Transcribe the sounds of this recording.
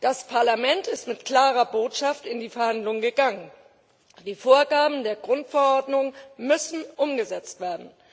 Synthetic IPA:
d̥aspʰaɐlamɛntɪstmɪtkl̥aːʁɐboːtʃaftɪndiːfɛɐhandlʊŋɡəɡaŋən | d̥iːfoːɐɡaːbm̩deːɐɡʁʊntfɛɐɔɐdnʊŋmʏsn̩ʔʊmɡəzɛt͡stv̥eːɐdn̩

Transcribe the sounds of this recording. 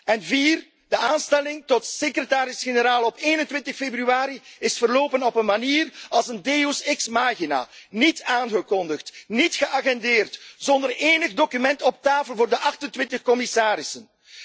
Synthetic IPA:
ɛnviːr | d̥əʔaːnstɛlɪŋtɔtsekrətaːɾɪsxenəɾaːlˠɔpeːnəntʋɪntəxfebryaːɾiɪsfərloːpənɔpənmaniːrɑlˠsəndeosɪksmaːɣina̰ːnitaːnɣəkɔndəxtnitxəʔaɣɛndeːrtz̥ɔndəreːnəɣdoːkymɛntɔp̚taːfəlˠvoːrdəʔɑxtəntʋɪntəxkɔmɪsaːɾɪsən

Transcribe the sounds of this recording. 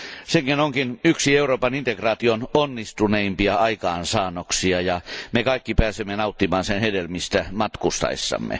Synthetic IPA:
seŋkinoŋkinyksieuroːpɑnint̪ekrɑːt̪iononːist̪uneimpiɑɑikɑːnsɑːnoksiɑjɑmekɑikːipæːsemːenɑut̪ːimɑːnsenhedelmist̪æmɑt̪kust̪ɑ̰ḭsːɑ̰mːḛ

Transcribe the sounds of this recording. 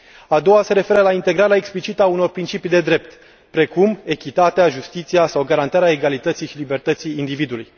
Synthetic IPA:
ad̪o̞wase̞ɾe̞fe̞ɾəlaint̪e̞ɡɾaɾeaeksplit͡ʃit̪auno̞rpɾint͡ʃipijd̪e̞d̪ɾe̞p̚t̪ | pɾe̞kume̞kʲit̪at̪eaʒust̪it̪siasawɡaɾant̪aɾeaeɡalit̪ət̪sijʃilibe̞rt̪ət̪sijːnd̪ivid̪uluj

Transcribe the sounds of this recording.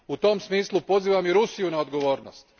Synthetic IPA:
ut̪o̞msmiːslˠupo̞ziːʋamiɾusijunao̞d̪ɡoʋo̞ːɾno̰st̪

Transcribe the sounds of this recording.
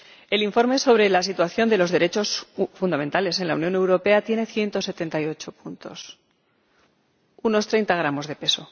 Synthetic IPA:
e̞liɱfo̞ɾmeso̞β̞ɾe̞las̬it̪waθjo̞nd̪e̞lo̞zðe̞ɾe̞t͡ʃo̞sfund̪ament̪ale̞se̞nlaunjõ̞ne̞wɾo̞pe̞at̪je̞ne̞θje̞nt̪o̞se̞t̪e̞nt̪ajo̞t͡ʃo̞punt̪o̞̰s | uno̞st̪ɾe̞jnt̪aɣ̞ɾamo̞zðe̞pe̞so̞

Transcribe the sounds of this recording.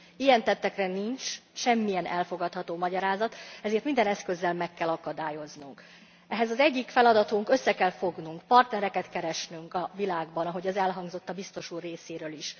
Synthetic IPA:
ijɛnt̪ɛt̪ːɛkrɛniɲt͡ʃʃɛmːijɛnɛlfo̞ɡɒt̪hɒt̪oːmɒɟɒɾaːzɒt̪ɛzeːrt̪mind̪ɛnɛskø̞zːɛlmɛkːɛlɒkɒd̪aːjo̞znuŋk | ɛɦɛzɒzɛɟːikfɛlɒd̪ɒt̪uŋkø̞sːɛkɛlfo̞ɡnuŋkpɒrt̪nɛɾɛkɛt̪kɛɾɛʃnyŋkɒvilaːɡbɒnɒɦo̞ɟɒzɛlɦɒŋɡzo̞t̪ːɒbist̪o̞ʃuːrːeːseːɾøːliʃ

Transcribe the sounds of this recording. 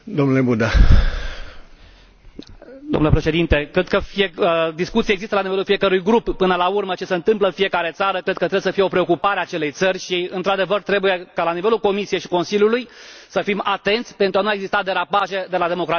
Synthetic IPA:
d̪omnulebud̪a | d̪omnulepɾe̞ʃe̞d̪int̪e̞kɾe̞d̪̚kəfied̪iskut̪siaeɡzist̪əlanivelulfije̞kəɾujɡɾupːɨnəlaurmət͡ʃe̞seɨnt̪ɨmpləɨnfije̞kaɾe̞t̪saɾəkɾed̪̚kət̪ɾebjesəfije̞o̞pɾeo̞kupaɾeat͡ʃe̞le̞jt̪sərʲʃiɨ̰nt̪ɾad̪e̞vərt̪ɾe̞buje̞kalanive̞lulko̞misije̞jʃiko̞nsilʲjulujsəfimat̪e̞nt̪sʲpent̪ɾuanuaeɡzist̪ad̪e̞ɾapaʒe̞d̪e̞lad̪e̞mo̞kɾat̪i

